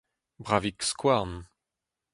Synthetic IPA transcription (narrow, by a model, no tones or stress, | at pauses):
bʁavikskwaʁn